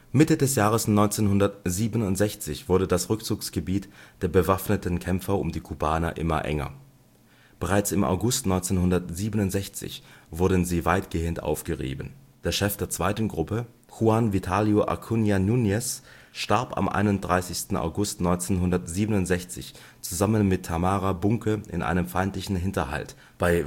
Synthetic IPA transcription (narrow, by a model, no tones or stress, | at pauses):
mɪtədɛsjaːʁ̞əsnɔʏnt͡seːnhʊndɐtziːbənʊntz̥ɛçt͡sɪçv̥ʊɐdədasʁʏk̚t͡suːksɡ̥əbiːtd̥eːɐbəvafnətʰən̩kʰɛmfɐʊ̰mdiːkʰubaːnɐ̰ʔɪ̰mɐ̰ʔɛ̰ŋɐ̰ | b̥əʁaɪt͡sɪmʔa̰ʊɡʊstnɔʏnt͡seːnɦʊndɐtz̥iːbənʊntz̥ɛçt͡sɪ̰çv̥ʊɐdn̩ziːvaɪtɡ̥eːəntʔa̰ʊfɡ̥əʁḭːbən̩d̥eːɐʃɛfd̥eːɐt͡sv̥aɪtn̩ɡʁʊpə | huanvitʰaːljoʔa̰kʰunjanunjɛs | ʃtaɐpa̰mʔa̰ɪnʊntd̥ʁaɪsɪçstn̩a̰ʊɡʊstnɔʏnt͡seːnɦʊndɐtz̥iːbənʊntz̥ɛçt͡sɪ̰ç | t͡suzamənmɪtʰːamaːʁabʊŋkʰəʔɪ̰nʔa̰ɪnəmfaɪntlɪçn̩ɦɪntɐha̰lt | b̥aɪ